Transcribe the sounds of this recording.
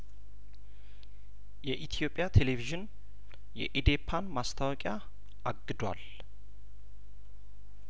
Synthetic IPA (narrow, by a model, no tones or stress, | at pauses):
jɛʔit̪ʰijo̞pʼːjat̪ʰe̞leviʒɨn | jɛ̰ʔid̪epʰːanmast̪ʰawɔkʼja | ʔaɡːɨd̪wa̰l